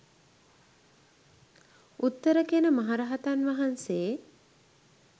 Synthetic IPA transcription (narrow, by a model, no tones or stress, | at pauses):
ut̪ːəɾəkenəmaɦaɾaɦat̪anʋaɦanseː